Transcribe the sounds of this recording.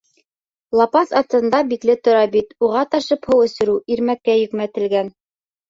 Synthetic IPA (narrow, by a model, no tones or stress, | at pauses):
lˠɑpɑsɑt̪ɤ̆nd̪ɑbiklɘt̪ŏɾɑbit̪uʁɑt̪ɑʃɤphɤwɵ̆sɵ̆ɾʉʔiɾmækːæjɵ̆kmæt̪ɘ̆lɡæn